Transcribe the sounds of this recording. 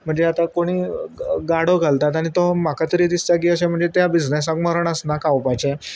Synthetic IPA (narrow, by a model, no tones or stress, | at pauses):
m̤əɳd͡zeat̪akoɽ̃iːɡaɽoɡʱalt̪at̪aɽ̃it̪omakat̪əɾiːt̪ist͡ɕaɡiəɕem̤əɳd͡zet̪jabid͡znes̬ak̚məɾəɳəsnakawpat͡ɕe